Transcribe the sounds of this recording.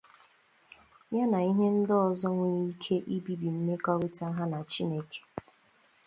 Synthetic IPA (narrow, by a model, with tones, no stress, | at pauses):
mja˦na˨i˦ɦe˦n̩˦dɔ˦ɔ˨zɔ˦ŋʷe˦ɲi˦kʰe˦ʔi˦bi˦bi˨m̩˦me˦kɔ˦wi˦ta˦ɦa˦na˨t͡ʃi˦ne˨kʰe̥˨